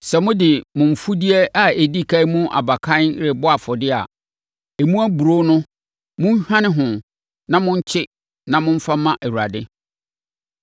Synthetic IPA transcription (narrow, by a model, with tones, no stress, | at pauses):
sɛ˨mʊ̃˦dɪ˨mʊ̃˨m̩˨fu˦di˦ɛ˦a˨e˨di˦˨kʰa˦i˦mũ˦ʔa̰˨ba˨kʰã˦nɾɪ˨bɔ˦a˨fɔ˨dɪ˦a̰˨ | e˨mũ˦æ˦bu˨ɾo˦nʊ̃˦ | mʊ̃˦n˦hã˦nɪ̃˦ɦʊ̃˨ | nã˦mʊ̃˦ɲ̩˦t͡ɕʰɪ˦ | nã˨mʊ̃˦m̩˦fa˦mã˦ʔɛ˨wu˨a˨dɪ˦